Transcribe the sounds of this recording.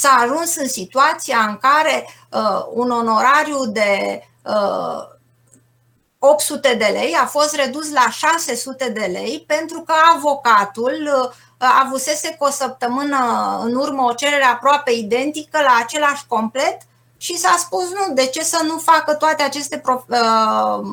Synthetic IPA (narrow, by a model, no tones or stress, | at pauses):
saːʒunsɨnsit̪uat̪siaɨŋkaɾe̞ | əuno̞no̞ɾaɾjud̪e̞ | ə | o̞p̚t̪sut̪e̞d̪e̞le̞jafo̞st̪re̞d̪uslaʃase̞sut̪e̞d̪e̞le̞̰jpe̞nt̪ɾukəavo̞kat̪ul | a̰vuse̞se̞kosəp̚t̪əmɨnəɨ̰nurməo̞t͡ʃe̞ɾe̞ɾe̞apɾoape̞id̪e̞nt̪ikəlaːt͡ʃe̞laʃʲko̞mple̞t̪ | ʃisaspusnud̪e̞t͡ʃe̞sənufakət̪oat̪e̞at͡ʃe̞st̪e̞pɾo̞ə